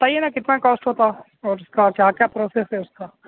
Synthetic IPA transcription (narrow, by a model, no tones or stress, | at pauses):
bɐt̪aːɦijenakɪt̪nakɔːsʈɦoːt̪a | ɔːɾʊskakjaːkjaːpɾoːsesɦɛʊskaː